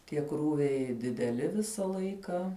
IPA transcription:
tʲiɛ ˈkruːʋʲɛɪ dʲɪdʲɛˈlʲɪ ˈʋʲɪsɐ ˈlˠɐɪkɐ

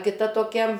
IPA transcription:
kʲɪˈtɐ toːˈkʲɛ

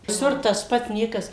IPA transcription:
ʋʲɪˈsʊr tɐs ˈpɐt ˈnʲiɛkɐs

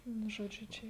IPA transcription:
ˈnʊ ˈʒoːd͡ʒʲʊ ˈt͡ʃʲɛ

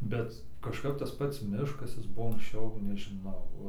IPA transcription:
ˈbʲɛt kɐʃˈkɐp tɐs ˈpɐts ˈmʲɪʃkɐs ˈjɪs ˈbʊʋoː ɐŋksʲˈt͡ʃʲɛʊ nʲɛʒʲɪˈnɐʊ

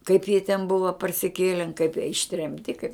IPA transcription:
kɐɪp jiɛ tʲɛn ˈbʊʋɐ pɐrʲsʲɪˈkʲeːlʲɛn kɐɪp jiɛ ɪʃʲtʲrʲɛmʲˈtʲɪ kɐɪp

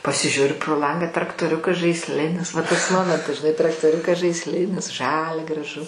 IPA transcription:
pɐsʲɪˈʒʲʊrʲʊ proː ˈlˠɐŋɡɑː trɐktoːˈrʲʊkɐs ʒɐɪsʲˈlʲɪnʲɪs ʋɐ tɐs ˈmoːmʲɛntɐs ʒʲɪˈnɐɪ trɐktoːˈrʲʊkɐs ʒɐɪsʲˈlʲɪnʲɪs ˈʒɑːlʲɛ ɡrɐˈʒʊ

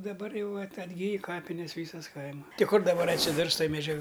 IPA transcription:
dɐˈbɐr ˈjɛʊ ɐt ɐdʲˈɡʲiːj ˈkɑːpʲɪnʲɛs ˈʋʲiːsɐs ˈkɐɪmɐ ˈtʲɪ ˈkʊr dɐˈbɐr ɐtʲsʲɪˈdʊrs ˈtoːj mʲɛˈd͡ʒʲɛk

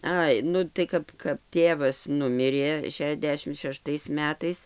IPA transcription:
ˈɐɪ ˈnʊ tɐɪ ˈkɐp kɐp ˈtʲeːʋɐs ˈnʊmʲɪrʲeː ʃʲɛˈdʲæːʃʲɪm ʃʲɛˈʃtɐɪs ˈmʲæːtɐɪs

